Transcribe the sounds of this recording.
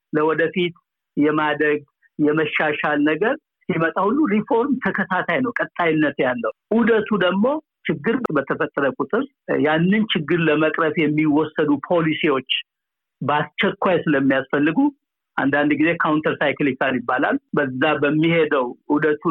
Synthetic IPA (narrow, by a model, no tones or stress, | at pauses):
ləwɔd̪əfit̪ | jɛmad̪ɾəɡ̚ | jɛməʃːaʃalnəɡəɾ | simət̪ʼahulːuɾifo̞ɾmt̪ʰəkʰət̪ʰat̪ʰajnəwkʼət̪ʼːajɪnːət̪jalːəwʔud̪ət̪ʰud̪əɡmo̞ | t͡ʃɪɡːɨɾbət̪ʰəfət̪ʼːəɾəkʼut̪ʼɨɾ | janːɨnt͡ʃʰɪɡːɨɾləməkʼɾəfjɛmːiwɔsːəd̪upʰo̞lisiwo̞t͡ʃː | bast͡ʃɛkʷːajsɨləmːijasfəlːɨɡu | ʔa̰nd̪and̪ɡize̞kʰawnt̪ʰəɾsajklikaljɪbːala̰lbəzːabəmːihe̞d̪əwud̪ət̪ʰu